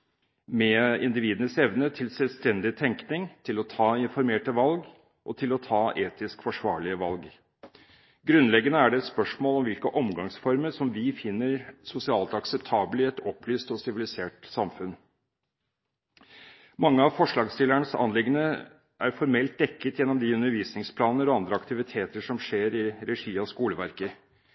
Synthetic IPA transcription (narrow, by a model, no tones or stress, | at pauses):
mɛɪ̰nd̪ɪʋiːd̪ənəsɛʋnət̪ʰɪlsɛlʋst̪ɛnd̪ɪt̪ʰɛŋknɪŋt̪ʰɪlɔt̪ʰɑːɪnfɔɾmeːʈəʋɑlɡ | ʔɔt̪ʰɪlɔt̪ʰɑːʔeːt̪ɪskfɔʂʋɑːɭɪəʋɑlɡ | ɡɾʉnlɛɡːənəæɖɛɛt̪spœʂmoːlɔmʋɪlkəʔɔmɡɑŋsfɔɾməɾʂɔmʋɪfɪnːəɾsʊsɪɑːlt̪ɑksɛpt̪ʰɑːbəlɪɛt̪ɔpʰlyːst̪ɔsɪʋɪlɪseːʈsɑmfʉn | mɑŋːəɑʋfɔʂɭɑːɡst̪ɪlːæɳəsɑ̰nlɪɡənə | ʔæɾfɔɾmɛlt̪̚d̪ɛkːət̪jɛnːɔmd̪ɪʉnːəɾʋiːsnɪŋspʰlɑːnəɾɔɑnd̪ɾəɑkt̪ɪʋɪt̪ʰeːt̪əʂɔmʂeːɾɪɾɛʂiːɔskuːləʋæɾkə